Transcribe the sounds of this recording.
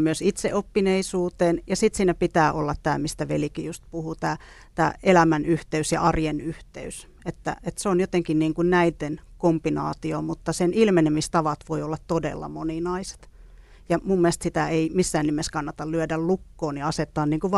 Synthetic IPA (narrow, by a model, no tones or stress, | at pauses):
myøsit̪seʔopːineisuːt̪eːnjɑsit̪siːnæpit̪æːʔolːɑt̪t̪æːmist̪æʋḛlikijust̪̚puhut̪æː | t̪æːelæmænyht̪eysjɑ̰ɑrjenyht̪ḛys | et̪ːæ̰et̪seonjot̪eŋkinniːŋkunnæit̪enkompinɑːt̪iomut̪ːɑsenilmenemist̪ɑʋɑt̪ʋoiolːɑt̪t̪odḛlːɑ̰moninɑise̥t̪ | jɑmumːiest̪sit̪æeimisːæːnnimeskɑnːɑt̪ɑllyødællukːoːniɑset̪ːˑɑːnniːŋkuʋ